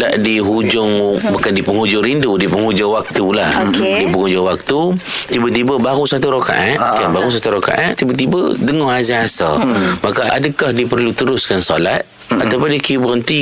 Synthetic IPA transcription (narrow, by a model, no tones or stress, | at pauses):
daʔdiɦud͡ʒʊŋbukandipəŋhud͡ʒʊŋɾindudipəŋhud͡ʒʊŋwak̚t̪ulahdipəŋud͡ʒʊŋwak̚t̪u | t̪ibət̪ibəbaɣusat̪uɾoka̰ʔankanbaɣus̬at̪uɾoka̰ʔa̰nt̪ibət̪ibə̰dəŋɔhazaasamakaaʔadəkahdipərlut̪əɾʊskansolat̪̚ | at̪awpʊndikibəɾənt̪i